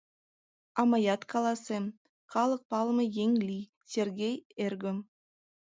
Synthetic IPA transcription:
ɑmɑjɑt̪kʰɑlˠɑsə | χʰɑlˠəq̚pɑlˠəməjeŋlʲi | sʲerɡʲejerɡom

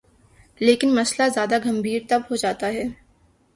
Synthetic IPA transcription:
leːkɪnmɐslazjaːd̪aɡɐmbʱiːɾt̪ɐbɦod͡ʒaːt̪aɦɛː

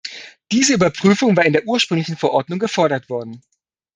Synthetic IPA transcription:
d̥iːzəyːbɐpʁ̥yːfʊŋvaːɪndeːɐʔuːɐʃpʁ̥ʏŋlɪçn̩fɛɐʔɔɐtnʊŋɡəfɔɐɾɐtv̥ɔɐdn̩

